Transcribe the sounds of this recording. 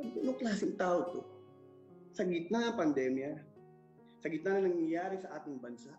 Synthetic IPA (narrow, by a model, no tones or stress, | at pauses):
nʊŋklaːsɪŋt̪aːʔot̪o | sɐɡɪt̪̚naɐpɐnd̪ɛːmja | sɐɡɪt̪nanɐnɐŋɲjaːɾɪsɐʔaːt̪ɪŋbɐnsaʔ